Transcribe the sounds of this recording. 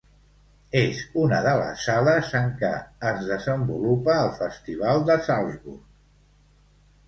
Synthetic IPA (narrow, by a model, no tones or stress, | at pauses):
ezunəðələ̰saləzəŋkə̰əzðəzəmbulupəːlˠfəst̪iβ̞alˠd̪əsalˠzβṵrk